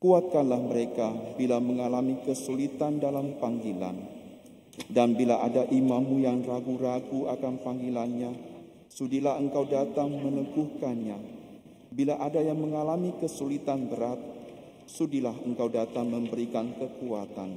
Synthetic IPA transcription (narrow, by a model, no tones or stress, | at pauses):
kuat̪̚kanlahməɾekabilaməŋalamikəsulit̪andalampaŋɡila̰n | danbilaʔadaʔimãmːujaŋraɡuɾaɡuakanpaŋɡilanɲa | sudilaɦəŋkawdat̪aŋmənəɡuhkanɲa | bilaʔadajaŋməŋalamikəsulit̪anbəɾat̪̚ | sudilahəŋkawdat̪aŋmə̃mbəɾikankəkuat̪an